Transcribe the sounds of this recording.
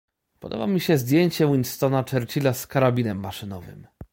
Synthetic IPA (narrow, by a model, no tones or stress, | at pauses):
pɔd̪ɔ̰bamʲiɕɛzd̪ʲjeɲt͡ɕɛwinst̪ɔnat͡ʂɛɾt͡ɕilaskaɾabʲinɛmːaʂɘnɔvɘ̰m